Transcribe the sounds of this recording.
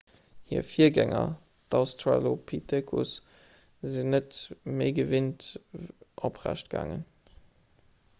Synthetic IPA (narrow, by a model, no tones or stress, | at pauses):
hiːɐfiːɐɡæŋɐ | d̥ɑʊstʰalopʰitʰekʰus | zinətmeɪɡəvint | ʔopʁæ̰ʃt̚ɡ̥a̰ːŋə̰n